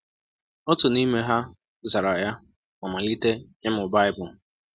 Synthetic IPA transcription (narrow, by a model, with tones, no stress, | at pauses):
ɔ˦tʊ˨ni˦me˦ɦa˦ | za˨ɾa˨ja˦ | ma˨ma˨li˦te˦ɲɪ˦m̩˦ʊ˨ba˦ɪ˦bʊ˨